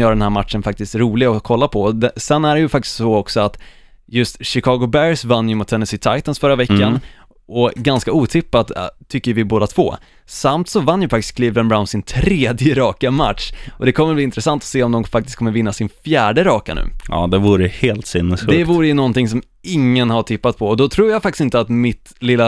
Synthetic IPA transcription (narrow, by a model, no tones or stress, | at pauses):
jœːɾaɖ̪ɛnhæːɾmat̪ʂənfak̚t̪ɪst̪ɾuːlɪɡaɔkʰɔlːapʰɔd̪ɛsɛnːæɖɛjɵfak̚t̪ɪ̥st̪sɔɔksɔat̪ | jɵst̪ɕɪkʰɑːɡʊbæɾsvanːjɵmʊt̪ʰːɛnɛsɪt̪ʰajt̪ansfœɾavɛkːan | ɔɡanskauːt̪ʰɪpːat̪t̪ʰːʏkːəvɪboːd̪at̪ʰv̥o̰ː | samt̪sɔvanːjɵfak̚t̪ɪ̥skʰliːvd̪ənbɾaʊnsɪnt̪ʰɾeːd̪jəɾɑːkama̰t̪ʂʔɔd̪ɛkʰɔmːəbliːɪnt̪ɾɛsant̪ɔ̥seːɔmd̪ɔmfak̚t̪ɪst̪kʰɔmːəɾvɪnːasɪnfjæːɖəɾɑːkanʉ̟̰ːʔɑ̰ːd̪ɛvuːɾəheːlt̪sɪnːəsdfʉɛvuːɾəjɵnɔnt̪ɪŋsɔm | ɪŋːənhaʈʰɪpːat̪̚pʰɔɔd̪ɔt̪ʰɾuːjafak̚tɪ̥sɪnt̪əat̪mɪt̪ | lɪlːa